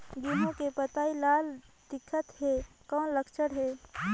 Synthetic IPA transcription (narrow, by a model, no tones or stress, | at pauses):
ɡiːmõkepət̪aːilaːld̪ɪkʰːət̪ɦe | kɔ̃ːnləkt͡ʃəɽɦeː